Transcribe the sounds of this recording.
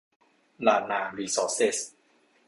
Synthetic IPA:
laː˧˩naː˧˩liː˧˩sɔː˧˥se˦˩s

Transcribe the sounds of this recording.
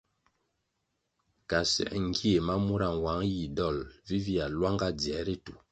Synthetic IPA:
ka˨sɛ̰˨ʔŋ˦ɡi˦e˨ma˦mu˦ɾa˦˨ŋ˨wa˨˦ŋji˨dɔ˦˨lvi˦vi˦a˨lwa˦ŋɡa˦˨d͡zi˨ɛ˨˦ɾi˦tu˨

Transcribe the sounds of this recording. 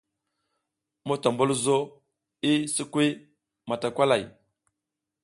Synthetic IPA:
mo˦ta˨mbu˦lzo˦ | i˦sə˦kʷi˦ | ma˨ta˨kʷa˦la˨j

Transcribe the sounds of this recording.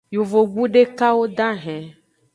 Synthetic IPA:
jo˨vo˨ɡ͡bu˦ɖe˦ka˦wo˦d̪ã˦ɦɛ̃˨

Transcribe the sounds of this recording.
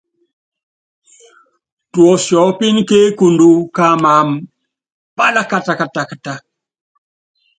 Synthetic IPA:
tu˨o˨sjɔ˨˦wpi˦nke˦ku˨ndu˦ka˦ma˨m | pa˦la˦ka˦ta˨ka˨ta˨kə˨ta˨

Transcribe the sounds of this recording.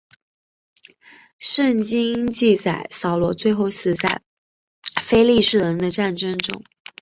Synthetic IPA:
ʂə˥˩ŋt͡ɕi˥ŋt͡ɕi˥˩t͡sa˨˩ɪsɑ˨˩ʊlwɔ˧˥t͡swe˥˧ɪxo˥˩ʊɕ̩˨˩t͡sa˥˩ɪ | fe˥ɪli˥˧ʂɻ̩˥˩ɻə˧˥nd̪ə˧ʈ͡ʂa˥˩nʈ͡ʂə˥ŋʈ͡ʂʊ̰˥ŋ

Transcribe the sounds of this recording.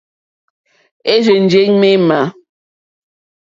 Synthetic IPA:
e˦ze˨n̩˨d͡ʒe˦ɲme˦ma˨˦

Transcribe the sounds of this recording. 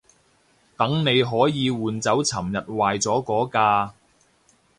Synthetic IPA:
t̪ɐ˨˥ŋne˨˧jɦɔː˨˥jiː˨˧wuː˨nt͡sɐ˨˥wt͡sʰɐ˨˩mjɐ˨t̚waː˨jt͡sɔː˨˥kɔː˨˥kaː˧

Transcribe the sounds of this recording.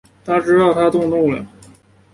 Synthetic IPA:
t̪ʰa˥ʈ͡ʂɻ̩˥ɑ˥˩ʊt̪ʰa˥t̪ʊ˥˧ŋt̪ʊ˥˩ŋlə̰˩

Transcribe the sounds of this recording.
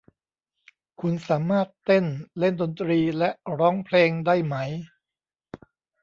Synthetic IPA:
kʰu˧nsaː˩˦maː˥˩t̪ːe˥˩nle˥˩ndo˧nt̪ɾiː˧lɛ˦˥ʔɾɔː˦˥ŋpʰleː˧ŋdaː˥˩jma˦˥j

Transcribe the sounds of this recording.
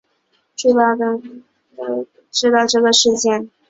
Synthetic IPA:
ʈ͡ʂu˥˧t̪ɑ˥˩ʊd̪ə˨˩˥ | ʈ͡ʂɻ̩˥t̪ɑ˥˧ʊʈ͡ʂɤ˥˩ɡə˩ʂɻ̩˥˧t͡ɕjɛ˥˩n

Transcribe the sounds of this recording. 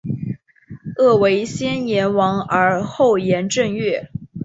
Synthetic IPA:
ɤ˥˩we˧˥ɪɕjɛ˥njɛ˧˥nwɑ˧˥ŋə˞˧˥xo˥˩ʊjɛ˧˥nʈ͡ʂɤ˥˧ŋɥɛ˥˩

